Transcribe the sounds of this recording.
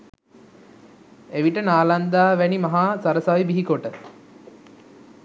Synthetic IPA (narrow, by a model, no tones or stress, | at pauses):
eʋiʈənaːland̪aːʋænimaɦaːsaɾəsaʋibiɦikoʈə